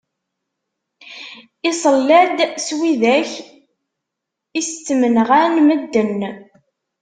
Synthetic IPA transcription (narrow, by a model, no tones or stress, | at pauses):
isˤəlːæd̪swiðæç | ist͡sːmənʁænməd̪ːən